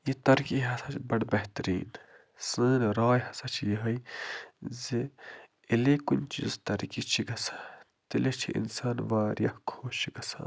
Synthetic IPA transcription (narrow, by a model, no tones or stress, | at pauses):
jit̪ɐɾkiɦɐsɐt͡ʃʰbɐɽbɐɦt̪ɾḭːn | sɨːnɾaːjɦɐsɐt͡ʃʰjɐɦɐj | zi | ilekunʲt͡ʃizt̪ɐɾkit͡ʃʰiɡɐsḁ | t̪ilet͡ʃʰiʔḭnsaːnʋaːɾjɐhkʰoːt͡ʃʰiɡɐsa̰ːn